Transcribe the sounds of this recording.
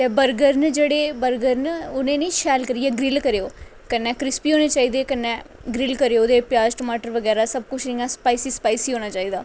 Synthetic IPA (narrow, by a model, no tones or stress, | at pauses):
t̪eːbəɾɡəɾnd͡ʒeːɽeːbəɾɡəɾnʊnẽːnĩːʃɛːlkəɾiɛːɡɾɪlkəɾeoː | kənːɛ̃ːkɾɪspiːɦoːneːt͡ʃaːiːd̪eːkənːɛ̃ː | ɡɾɪlkəɾeoːd̪eːpjaːd͡ʒʈəmaːʈəɾʋəɡɛːɾaːsəb̚kʊt͡ʃʰnĩːãːspaːiːsiːspaːisiːɦoːñaːt͡ʃaːiːd̪aː